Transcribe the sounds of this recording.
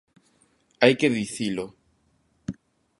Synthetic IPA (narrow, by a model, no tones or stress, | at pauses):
ajkeðiθilo